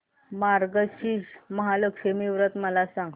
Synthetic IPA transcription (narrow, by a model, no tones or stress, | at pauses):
maɾɡəɕiːɕməɦaləkʂemiʋɾət̪məlasaŋɡ